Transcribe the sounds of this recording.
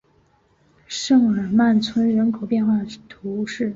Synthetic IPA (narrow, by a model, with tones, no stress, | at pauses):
ʂɤ˥˩ŋə˞˨˩ma˥˩nt͡sʰwə˥nɻə˧˥nkʰo˨˩ʊpjɛ˥˧nxwa˥˩d̪ə˩t̪ʰu˧˥ʂɻ̩˥˩